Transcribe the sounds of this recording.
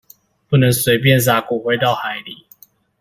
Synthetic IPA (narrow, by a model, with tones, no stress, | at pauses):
pu˥˩nə˧˦ŋswe˧˥ɪp̬jɛ˥˨ns̬a˨˩ku˨˩xwe˧˥ɪt̪ɑ˥˩ʊxa˨˧˦ɪli˨˩˦